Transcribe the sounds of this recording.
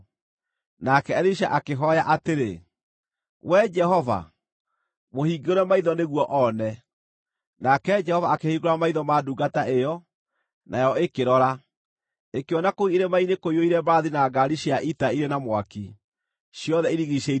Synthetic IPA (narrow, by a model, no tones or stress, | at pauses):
nakɛɛɾiʃ̬a̰ʔakeɦɔjaʔateɾe | wɛd͡ʒɛɦɔva̰ | mohiːɡoɾɛmaiðɔneɣwɔʔɔnɛ | nakɛd͡ʒɛhɔvaːkehiɡoɾamaiðɔmaduːɡataʔejɔ | nʔajɔekeɾɔɾa | ekeɔnakoiiɾemainekoioiɾɛbaːðinaɡaɾiɕiaʔitaiɾenamwaki | ɕjɔðɛiɾiɣiɕɛi